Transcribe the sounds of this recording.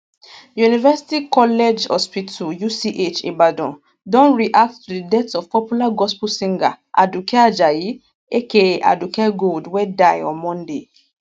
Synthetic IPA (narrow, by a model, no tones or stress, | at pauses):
junivɛsi̥tikɔlɛd͡ʒhɔ̰spitʰujusiʔet͡ʃḛ̃badɔ̰̃ | dɔ̃nɹiʔak̚ttudidɛtsɔvpɔpjulaɡɔspulsĩŋɡa | ʔa̰dukɛad͡ʒaji | ekea̰dukɛɡoldwɛdaɪɔ̰̃mɔ̃nde